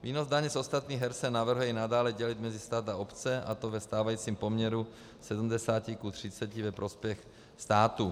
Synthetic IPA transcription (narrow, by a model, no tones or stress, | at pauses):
viːno̞zdaɲɛso̞st̪at̪ɲiːɦɛɾsɛnavr̩ɦujɛinadaːlɛɟɛlɪt̪mɛzɪst̪aːt̪aopt͡sɛʔat̪o̞vɛst̪aːvajiːt͡siːmpo̞mɲɛɾu | sɛdm̩dɛsaːcikut̪r̝̥ɪt͡sɛcivɛpɾʔo̞spjɛx | st̪aːt̪u